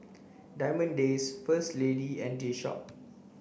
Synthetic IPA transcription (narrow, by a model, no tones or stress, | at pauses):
dajmə̃ndesfəstlediɛ̃ndiʃɔ̰p̚